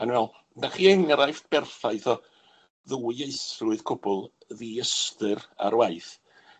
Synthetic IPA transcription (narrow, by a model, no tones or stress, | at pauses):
anwɛlˠ | daχiːəŋɾajftb̥ɛrθajθɔ | ðuiejsrʊɨð̥kʰʊbʊlˠ | ðiəstɨɾa̰ɾwajθ